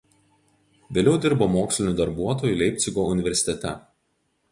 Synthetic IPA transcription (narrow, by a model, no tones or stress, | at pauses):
ʋʲeːlʲɛʊd̪ʲɪɾbomoːksʲlʲɪnʲʊˑd̪ɐɾbuɔt̪oːjʊˑlʲɛɪpʲt̪sʲɪɡoːʊnʲɪʋʲɛɾʲsʲɪt̪ʲɛt̪ʲɛ̰